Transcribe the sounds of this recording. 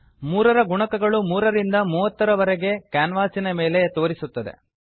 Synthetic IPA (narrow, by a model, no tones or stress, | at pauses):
muːɾɐɾɐɡuɳɐkɐɡɐɭumuːɾɐɾind̪ɐmuːʋɐt̪ːɐɾɐʋɐɾeɡe̞kaːnʋaːsinɐmeːlet̪o̞ːɾisut̪ːɐd̪e̞̰